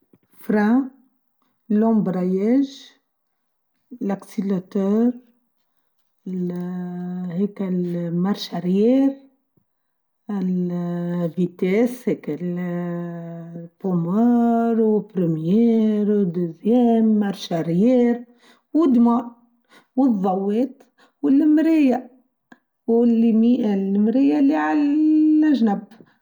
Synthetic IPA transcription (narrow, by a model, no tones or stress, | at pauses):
fɾã | lɔ̃mbɾajɛʒ | laksilat̪œɾ | l | hɛklmaɾˤʃaɾjɛɾ | ɪl | vit̪ɛshɛkel | t̪omɑːɾwɪpɾimjɛːɾwd̪ʊzjeːnmɑɾˤʃaɾɪjeːɾ | wɪd̪mɑːɾ | wɨðˤːɑwːeːt̪ | wɪlːmɾija | wɪlimiʔlmɾijaliʕalʔaʒnab